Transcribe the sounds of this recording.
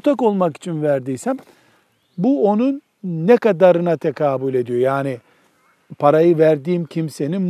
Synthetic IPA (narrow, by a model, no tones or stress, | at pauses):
ut̪ʰako̞lˠmaki̥t͡ʃʰinvæɾd̪iːsæm | buo̞nunː | ɛkad̪aɾɯnat̪ʰekʰaːbulʲe̞d̪ijo̞jaːni | pʰaɾajɯvæɾd̪iːmcʰimse̞ninm